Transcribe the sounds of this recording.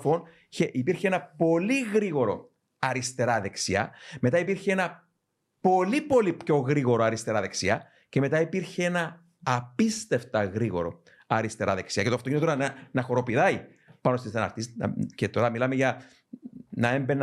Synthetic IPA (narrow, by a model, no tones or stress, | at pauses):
fon | çeʔipiɾçeenɐpo̞liɣɾiɣo̞ɾo̞̰ | ɐɾist̪e̞ɾɐðe̞ksiɐ̰me̞t̪ɐipiɾçeenɐ | po̞lipo̞lipço̞ɣɾiɣo̞ɾoɐɾist̪e̞ɾɐðe̞ksiɐ | ce̞me̞t̪ɐipiɾçeenɐː | pist̪e̞ft̪ɐɣɾiɣo̞ɾo̞̰ | ɐɾist̪e̞ɾɐðe̞ksiɐcet̪oɐft̪oinet̪oɾɐnɐnɐxo̞ɾo̞piðɐi | pɐnost̪isθenɐ̰ɾt̪iscet̪oɾɐmilɐmeʝɐ | nɐe̞mben